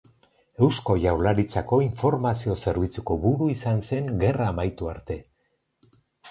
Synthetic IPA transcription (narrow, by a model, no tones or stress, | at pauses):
e̞wsko̞ʝawlaɾit͡sako̞iɱfo̞ɾmasio̞se̞ɾβit͡suko̞βuɾuisanse̞ŋɡe̞raːmajt̪uaɾt̪e̞